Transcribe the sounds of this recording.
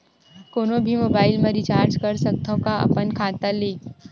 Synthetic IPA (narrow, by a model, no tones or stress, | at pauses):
koːnõbʱimoːbaːɪlmẽɾit͡ʃaːɾd͡ʒkəɾsək̚t̪ʰõkaɐ̰pənkʰaːt̪əleː